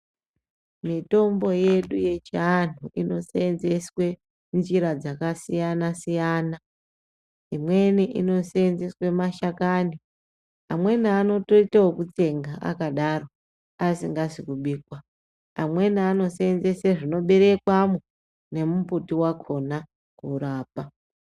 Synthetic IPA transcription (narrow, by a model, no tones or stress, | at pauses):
mito̞mbo̞je̞ɗuje̞t͡ʃian̤uʔino̞seenze̞swe̞ | nd͡ʒiɾad͡zakasijanasijana | imwe̞niʔḭno̞seenze̞swe̞maʃakani | amwe̞niano̞to̞itawokut͡se̞ŋɡaʔa̰kaɗaro̞ | asiŋɡaʐikuɓiːkwa | amwe̞niano̞seenze̞seʐino̞ɓe̞ɾe̞kwamu | ne̞muputiwakʰo̞na | kuɾaːpa